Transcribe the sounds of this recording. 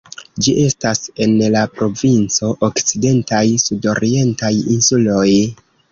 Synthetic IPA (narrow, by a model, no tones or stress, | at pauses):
d͡ʒiʔe̞stase̞nlapɾo̞vint͡so̞ʔokt͡side̞ntajsudo̞ɾie̞ntajinsulo̞j